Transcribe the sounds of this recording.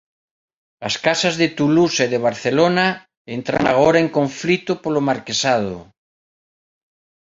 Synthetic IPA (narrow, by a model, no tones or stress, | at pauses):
askasazðet̪uluseðeβ̞aɾθelona | ent̪ɾa̰ŋa̰ɣ̞oɾaeŋkõɱflit̪opolomaɾkesað̞o̰